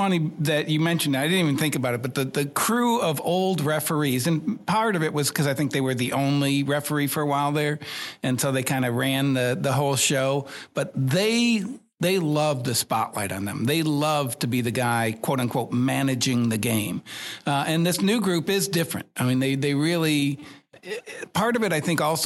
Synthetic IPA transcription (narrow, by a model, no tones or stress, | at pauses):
fʌniðɨt͡ʃɨmɛ̃nʃɨ̃naɪdɪdⁿn̩tivɨnθɪ̃ŋkɨbaʊɾɨt̚b̥ʌt̪̚ðɨðɨkʰɹ̥uʌvoʊlˠd̚ɹɛfə˞izɨ̃npʰɑɹɾʌvɨʔ̚wʌz̥kʰʌzaɪθɪ̃ŋk̚ðeɪwə˞ðiʔõʊ̃nliɹɛfə˞ifə˞əwaɪlˠðə˞ɨ̃nsʰoʊðeɪkʰãɪ̃ndɨɹæ̃nðɨðəɦoʊlˠʃoʊb̥ʌt̪̚ðeɪ | ðeɪlʌvðɨspɑ̰ʔla̰ɪɾn̩ðɨ̰̃mðeɪlʌv̥tʰɨbiðɨɡaɪkʰw̥oʊɾɨ̃nkʰw̥oʊt̚mænɨd͡ʒɪ̃ŋðɨɡẽɪ̃mɨ̃nðɪsnʉɡɹʉpɪzdɪfɹɨ̰̃nt̚aɪmĩnðeɪðeɪɹɪlˠi | pʰɑɹɾʌvɨɾaɪθɪ̃ŋkɔlˠs